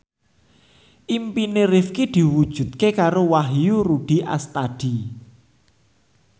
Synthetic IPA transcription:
ʔimpineɾifkid̪̥i̤wud̥ʒ̥ṳt̪̚kekaɾowaɦjuɾuɖ̥i̤ʔa̰st̪aɖ̪̥i

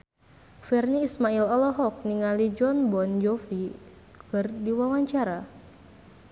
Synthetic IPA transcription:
fɛrniːsmailɔlɔɦɔk̚niŋalid͡ʒɔnbɔnd͡ʒɔfi | kɨrdiwawaɲt͡ʃaɾa

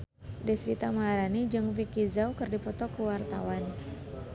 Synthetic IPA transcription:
dɛswit̪amaɾanid͡ʒɨŋfikizawkɨrdipɔt̪ɔkəwart̪a̰wan

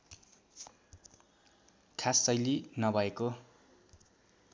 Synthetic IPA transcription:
kʰasːʌjlinʌbʱʌeko

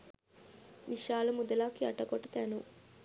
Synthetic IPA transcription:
ʋiʃaːlɐmud̪ɐlaːkiɐʈːɐkɔʈːɐt̪aːnu

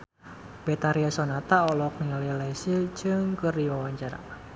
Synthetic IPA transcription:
bɛt̪aɾiasɔnat̪aɔlɔk̚nililɛsilt͡ʃɨŋkɨrdiwawaɲt͡ʃaɾa̰

